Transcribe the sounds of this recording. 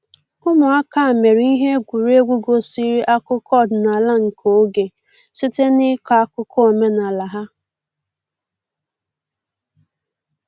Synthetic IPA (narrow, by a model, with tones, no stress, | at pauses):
ʊ˦mʊ˨a˦ka˦a˨me˨ɾi˦ɦe˦ɡʷu˨ɾe˦ɡʷu˦ɡo˦si˦ɾi˦ʔa˦kʊ˦kɔ˦˨dna˨la˦ŋ̩˨kʰo˨˦ɡe˨ | sɪ˦te˦nɪ˦ka˨a˦kʊ˦kʰɔ˦o˨me˦na˨la˨ɦa˦